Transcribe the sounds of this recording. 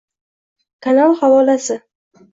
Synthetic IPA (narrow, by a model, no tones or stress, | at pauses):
kʰanalˠhavɒlasɪ